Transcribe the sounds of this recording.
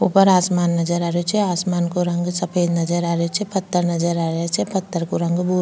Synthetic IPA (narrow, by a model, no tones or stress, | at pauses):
upəɾaːsmaːnːɐd͡ʒəɾaːɾot͡ʃʰɛaːsmaːnkoɾɐ̃ŋɡsɐpʰeːd̪nɐd͡ʒəɾaːɾeot͡ʃʰɛpɐt̪ʰːəɾnɐd͡ʒəɾaːɾet͡ʃʰɛpɐt̪ʰːəɾkoɾɐ̃ŋɡbu